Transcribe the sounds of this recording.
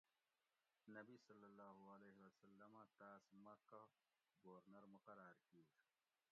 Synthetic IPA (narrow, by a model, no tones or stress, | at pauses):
nɐbisɐlːɐlːaːɦuɐleːɦewɐsɐlːɐmãt̪aːsmɐka | ɡoːɾnɐɾmuqɐɾaːɾkis